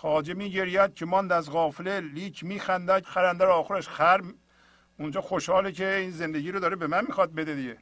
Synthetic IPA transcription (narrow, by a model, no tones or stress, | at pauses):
xɒːd͡ʒemiːɟeɾjæd̪̚cʰemɒnd̪æzɣɒːfeleliːkʰmiːxænd̪æxæɾænd̪æɾɒːxoɾeʃxæɾm | und͡ʒɒːxoʃhɒːlekʰeiːnzend̪eɟiːɾod̪ɒːɾebemænmiːxɒd̪̚bed̪ed̪iɟe